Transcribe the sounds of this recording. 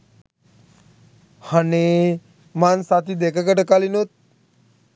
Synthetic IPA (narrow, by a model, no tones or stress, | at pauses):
haneː | mansat̪id̪ekəkəʈəkalinut̪̚